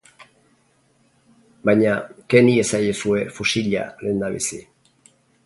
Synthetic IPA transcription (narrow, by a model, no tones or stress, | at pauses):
bajɲake̞nie̞sajesue̞fusiʎa̰le̞ːnd̪aβḭsi